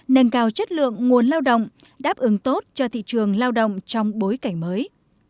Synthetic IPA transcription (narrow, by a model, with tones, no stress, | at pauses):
nə˧nkaː˧wt͡ɕə˦˥t̚lɨ̰˧˨əŋːu˨˩ənlaː˧wɗo̰˧˨wŋ͡m | ɗaː˦˥p̚ʔɨ˨˦ŋt̪o˦˥t̚t͡ɕɔ˧t̪ʰḭ˧˨t͡ɕɨ˨˩əŋlaː˧wɗo̰˧˨wŋ͡mt͡ɕɔ˧wŋ͡mɓo˨˦jka˧˩ŋməː˨˦j